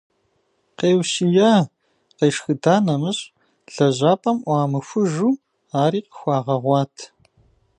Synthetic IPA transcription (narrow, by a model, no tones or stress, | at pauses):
qeːwsijaː | qeːʂxɨdaːnɐmɨɕʼ | ɮɐʑaːpʼɐmʔʷɑːmɨxʷʊʒuː | aːɾiːqə̥xʷɑːʁɐʁʷɑːtʰ